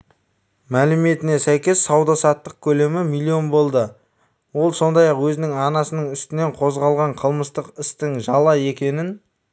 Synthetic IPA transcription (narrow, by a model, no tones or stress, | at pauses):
mælɪme̞t̪ɪne̞sæjkʲe̞sːɑwd̪ɑsɑt̪ːəq̚kʲʰɵle̞mɪmilʲːio̞nbo̞lˠd̪ə | wo̞lˠso̞nd̪ɑjɑqwɵzɪnɪŋɑnɑsənəɴʏst̪ɪneɴqʰo̞zʁɑlˠʁɑɴqʰəlˠməst̪əqɪst̪ɪŋʒɑlˠɑje̞kʲe̞nɪn